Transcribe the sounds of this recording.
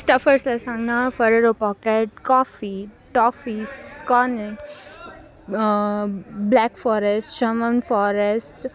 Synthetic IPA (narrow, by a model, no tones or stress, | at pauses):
sʈɐfəɾslasãŋɡnafəɾeɾopɔːkeʈ̚kɔːfiʈɔːfisskɔːnɪ | blɛːkfɔːɾesʈʃɐmənfɔːɾesʈ